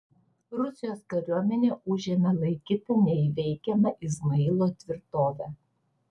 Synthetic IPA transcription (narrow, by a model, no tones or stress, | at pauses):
ɾʊsʲɪjoːskɐɾʲuɔmʲɛnʲeːʊʒʲɛmʲɛlˠɐɪkʲɪːt̪ʲɪnʲɛɪʋʲɛɪkʲɛmɐʔɪzmɐɪlˠoːt̪ʲʋʲɪɾt̪oːʋʲæ